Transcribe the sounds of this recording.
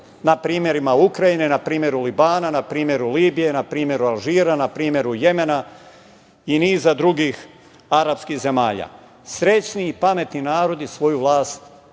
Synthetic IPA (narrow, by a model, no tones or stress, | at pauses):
napɾiːmje̞ɾimaukɾajine̞napɾiːmje̞ɾulibaːnanapɾiːmje̞ɾuliːbije̞napɾiːmje̞ɾualʒiːɾanapɾiːmje̞ɾuje̞me̞na | iniːzad̪ɾuɡix | aɾapskixze̞maːʎa̰ː | sɾe̞t͡ɕniːpame̞t̪ninaːɾo̞d̪isʋo̞juʋlˠaːst̪